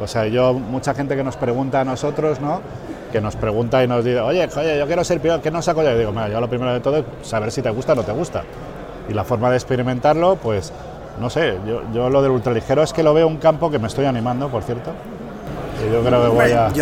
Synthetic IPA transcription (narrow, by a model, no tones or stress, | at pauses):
o̞seaiʝo̞mut͡ʃaxe̞nt̪ekeno̞spɾe̞ɣ̞unt̪aːno̞so̞t̪ɾo̞zno̞ | ke̞no̞spɾe̞ɣunt̪aino̞zðiθeo̞ʝe̞ojeʝo̞kjeɾo̞se̞ɾpioɾke̞nosakoʝaoðiɣomiɾaʝoalo̞pɾime̞ɾoðe̞t̪o̞ðoes | saβe̞ɾsit̪e̞ɣust̪ano̞t̪e̞ɣ̞ust̪a̰ | ilafo̞ɾmaðekspe̞ɾimẽnt̪aɾlo̞pwe̞s | no̞se̞ʝoʝo̞lo̞ð̞e̞lult̪ɾalixe̞ɾoeske̞lo̞β̞e̞ouŋkampo̞ke̞me̞st̪o̞janĩmãnd̪o̞po̞ɾθje̞ɾt̪o̞ | eʝokɾeokeβaja